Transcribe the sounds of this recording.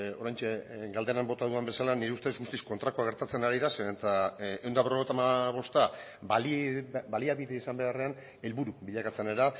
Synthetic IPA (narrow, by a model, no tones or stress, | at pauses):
o̞ɾajɲt͡ʃeɡald̪e̞nambo̞t̪aðuambe̞salaniɾeust̪ezɣust̪isko̞nt̪ɾakoaɣ̞e̞ɾt̪at͡se̞naɾiðaseet̪aewnd̪aβro̞et̪amaβ̞o̞st̪a | balbaliaβiðeisambe̞are̞an | e̞lβuɾuβiʎakat͡sene̞ɾa